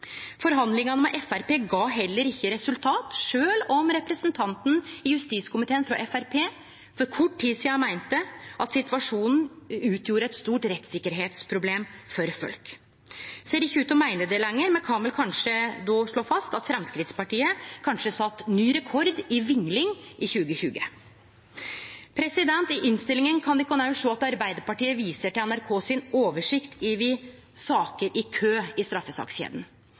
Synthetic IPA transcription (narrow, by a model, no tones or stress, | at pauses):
fɔɾɦɑnd̪lɪŋɑnəmɛʔɛfæɾpeːɡɑːɦɛlːəɾɪçːəɾɛsʉlt̪ʰɑːt̪ʂøːlɔmɾɛpɾɛsənt̪ʰɑnt̪n̩ɪjʉst̪iːskʰʊmɪt̪ʰeːənfɾɑʔɛfæɾpʰeː | fɔɾkʰɔʈʰːiːsiːɑmæɪnt̪əʔɑt̪sɪt̪ʋɑʂuːnn̩ʉːt̪ʰjuːɾəɛt̪st̪uːʈɾɛt̪ːsɪkːəɾɦeːt̪spʰɾʊbleːmfɔɾfœ̰lk | seːɾɪçːəʉːt̪ɔmæɪnəd̪ɛlɛŋːəɾmɛnkʰɑnʋɛlkʰɑnʂəd̪ɔʂɭoːfɑst̪ɑt̪fɾɛmskɾɪt̪spɑʈiːəkʰɑnʂəsɑt̪ːnyːɾɛkʰɔɾd̪ɪʋɪŋlɪŋʔɪçʉːɡəçʉːɡə | pʰɾɛsɪd̪ɛnt̪ɪʔɪnst̪ɪlːɪŋənkʰɑnd̪ɪkːɔnɑʉʂoːɑt̪ɑɾbæɪd̪əɾpɑʈiːəʋiːsəʈɪlɛnæɾkʰoːsɪnoːʋəʂɪkt̪ʰɪʋɪsɑːkəɾʔɪkʰøːɪst̪ɾɑfːəsɑ̰ːksçḛːd̪ən̩